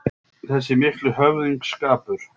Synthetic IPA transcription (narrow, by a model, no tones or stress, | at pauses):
θɛsːɪmɪhklʏhœvðiŋkskaːpʏɾ̥